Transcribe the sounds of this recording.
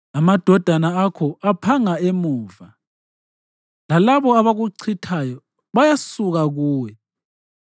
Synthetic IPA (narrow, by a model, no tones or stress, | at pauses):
amad̥ʱɔd̥ʱanaːkʰɔapʰaŋaemuːva | lalaβɔaβaɣuǀʰitʰajɔ | βajasuɣaɣuːwɛ